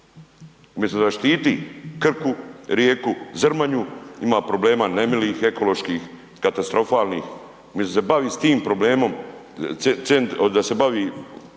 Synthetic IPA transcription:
umjest̪d̪aʃt̪iːt̪ikr̩kuɾjeːkuzrɾmaɲuimaːpɾo̞ble̞ːmaːnemiliːxe̞ko̞lo̞ʃkiːx | kat̪ast̪ɾo̞faːlniːx | umjest̪osebaʋiːst̪iːmpɾo̞bleːmo̞m | sent̪d̪ase̞baʋiː

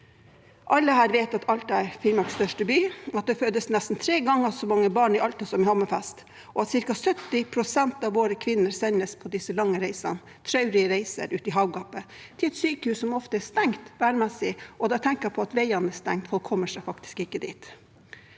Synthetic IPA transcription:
ʔɑlːəhæːɾʋeɪt̪ɑt̪ʰɑlt̪æɪɾfɪlmɑkst̪œʂʈəbyːɑt̪̚d̪ɛføːd̪əsnɛst̪n̩t̪ʰɾeːɡɑŋːəsɔmɑŋːəbɑːɳɪʔɑlt̪əsɔmɪhɑməfɛst̪ | ʔɔɑt̪sɪɾkɑsœt̪ːɪpʰɾʊsɛnt̪ɑʋʋoːɾəkʰʋɪnːəɾsɛnːəspʰɔd̪ɪsəlɑŋːəɾæɪsɑ̰n | t̪ʰɾɑʉɾɪəɾɛɪsə̰ɾʔʉ̰ːt̪ɪɦɑʊɡɑpːə | t̪ʰɪlɛt̪syːkəhʉːssɔmɔft̪əɛst̪ɛŋt̪ʋæːɳmɛsɪʔɔd̪ɑt̪ʰɛŋkəɾpʰɔɑt̪ʋɛɪɑnəst̪ɛŋt̪fɔlkʰɔmːəʂæɪfɑkt̪ɪ̥skɪkːəd̪ḭːt̪

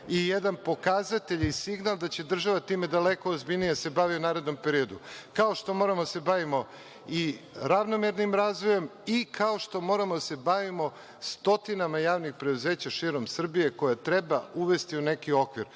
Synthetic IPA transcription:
ijed̪anpo̞kazat̪eʎisiɡnalˠd̪at͡ɕe̞d̪r̩ʒaʋat̪iːme̞d̪ale̞koozbiʎnijase̞baʋiunaːɾe̞d̪no̞mpe̞ɾio̞d̪ukao̞ʃt̪o̞mo̞ɾamod̪ase̞baʋimo̞ | iɾaʋno̞meɾnimɾaːzʋo̞je̞mikʰao̞ʃt̪o̞mo̞ːɾamod̪ase̞baʋimo̞ | st̪o̞t̪inamajaːʋnixpɾe̞d̪uze̞ːt͡ɕaʃiɾo̞msr̩bije̞ko̞jat̪ɾe̞bauʋe̞st̪iune̞kio̞kʋiɾ

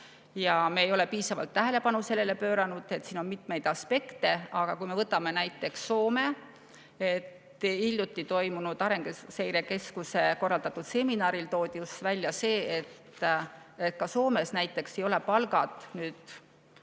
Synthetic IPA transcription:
jɑme̞ːjo̞le̞piːsɑvɑ̰lt̪ːæɦe̞le̞pɑnuselːe̞le̞pø̞ːɾɑnud̪̥e̞t̪ˑːsiːno̞nmit̪me̞jd̪̥ɑspe̞kt̪e̞ɑɡ̥ɑkujmevɤt̪ːˑɑme̞næjt̪ːˑe̞ksːo̞ːme̞ | et̪ː | ilʲjut̪ˑːit̪o̞jmunud̪̥ɑɾe̞ŋɡ̥esejɾeke̞skuse̞ko̞rːɑld̪ɑt̪ːˑud̪̥se̞minɑːɾilt̪o̞ːd̪̥ʲjusvælʲːjɑse̞ːet̪ː | et̪̚kɑso̞ːme̞snæjt̪ˑːe̞kse̞jo̞lepɑlɡ̥ɑt̪nyːd̪̥

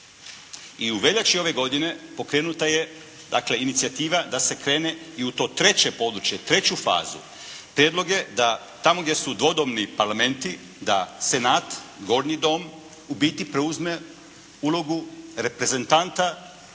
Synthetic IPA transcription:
iuʋe̞ʎat͡ʃio̞ʋe̞ɡo̞d̪ine̞po̞kɾe̞ːnut̪aje̞ | d̪a̰kle̞init̪siat̪iːʋad̪ase̞kɾe̞ːne̞iut̪o̞ːt̪ɾe̞t͡ɕe̞po̞d̪ɾut͡ʃje̞t̪ɾe̞t͡ɕufa̰ːzṵ | pɾjed̪lo̞ɡje̞d̪a | t̪amoɡd̪ʲje̞sud̪ʋo̞d̪o̞mnipaɾlame̞nt̪i | d̪ase̞naːt̪ɡo̞ɾnid̪o̞m | ubiːt̪ipɾeuzme̞ | ulˠo̞ɡuɾe̞pɾe̞ze̞nt̪ant̪a

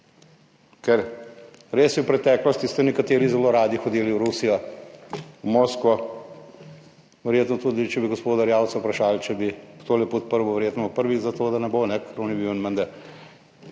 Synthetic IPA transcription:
kɛɾ | ɾeːsjɛwpɾɛt̪ɛːklɔst̪ist̪ɛnɛkat̪eːɾizɛloːɾaːd̪ixɔd̪iːliwɾusijɔ | umoːskʋɔ | ʋɛɾjeːt̪nɔt̪uːd̪it͡ʃɛbiɡospoːd̪aɾjaːwt̪saupɾaʃaːlt͡ʃɛbit̪oːlɛpɔt̪̚pəɾʋɔʋɛɾjeːt̪nɔpəɾʋizat̪oːd̪anɛbonɛkʰɛɾonɛbiwnmənd̪əɾ

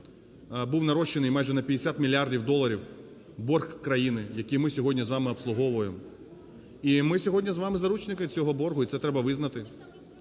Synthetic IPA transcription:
buwnɐɾɔʃːenɪjmɑjʒɛnɐpʲɐd̪ʲesʲat̪mʲilʲːiardʲiwd̪ɔlˠːɐɾʲiw | bɔrxkɾɐjinɪjɐkʲimɪsʲɔɦɔdʲnʲizʋɑmɪɐpslˠʊɦɔʋʊjemɔ | imɪsʲɔɦɔdʲnʲizʋɑmɪzɐɾut͡ʃnɪkɪt͡sʲɔɦɔbɔrɦʊit̪sɛt̪ɾɛbɐʋɪznɐt̪ɪ

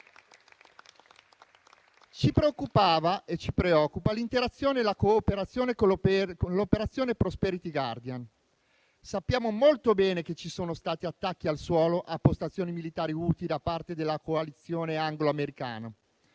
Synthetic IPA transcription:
t͡ʃipɾeokːupaːvaʔet͡ʃipɾeɔkːupalint̪eɾat̪sːjoːnelakoːpeɾat̪sːjoːnekoolopeɾat̪sːjoːnepɾospɛɾit̪iɡa̰rd̪ian | sapːjaːmomolt̪obɛːnek̟et͡ʃːisoːnost̪aːt̪iat̪ːakːialswɔːloʔapːost̪at̪sːjoːnimilit̪aːɾiuːt̪id̪apart̪ed̪elːakoalit̪sːjoːneaŋɡloameɾika̰ːna

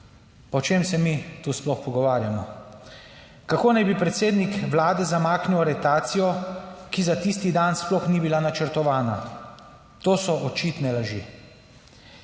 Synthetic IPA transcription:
pɔt͡ʃemsɛmit̪usplɔxpɔɡɔʋaːɾjamɔ | kakoːnajbipɾɛt̪seːd̪nikʋlaːd̪ɛzamaːkniwaɾɛt̪aːt̪sijɔkizat̪ist̪id̪ansplɔxnibilanat͡ʃəɾt̪ɔʋaːna | t̪oːsɔʔɔt͡ʃiːt̪nɛlaʒḭː

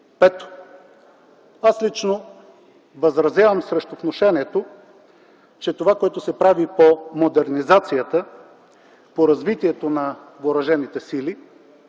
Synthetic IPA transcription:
pɛt̪o̥ | aslit͡ʃno | vɐzɾɐzʲjavəmsɾɛʃt̪ot̪noʃɛniɛt̪o | t͡ʃɛt̪ovakoɛt̪ʊsɛpɾavipomod̪ɛɾnizat̪sijət̪ə | poɾɐzvit̪iɛt̪onɐ | voɾɐʒɛnit̪ɛsili

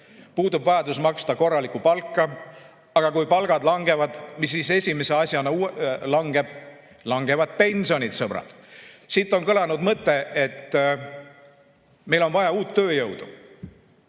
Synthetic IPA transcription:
puːd̪ubvɑjɑd̪usmɑkst̪ɑko̞rːɑlikupɑlkːɑ | ɑɡ̥ɑkujpɑlɡ̥ɑd̪lɑŋɡ̥e̞vɑd̪̥misːise̞sʲimese̞ɑsʲjɑnɑulɑŋɡe̞b̥ | lɑŋɡe̞vɑd̪̥̚pe̞nʲsio̞nit̪sɤb̥ɾɑ̰d̪̥sit̪ːˑo̞nkɤlɑnud̪mɤt̪ːe̞et̪ː | me̞jlo̞nvɑjɑuːt̪ːø̞ːjɤwd̪u

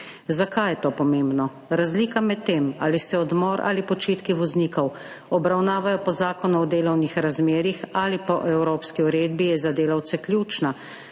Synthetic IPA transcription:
zakajɛt̪oːpɔmeːmbnɔ | ɾazliːkamɛt̪ːeːma̰ːlisɛɔd̪mɔːɾʔa̰lipɔt͡ʃeːt̪kiʋɔzniːkɔw | ɔbɾawnaːʋajɔpɔzaːkɔnuɔd̪eːlɔwnixɾazmeːɾixalipɔʔɛwɾoːpskiuɾeːd̪̚bijɛzad̪eːlawt̪sɛkljuːt͡ʃna

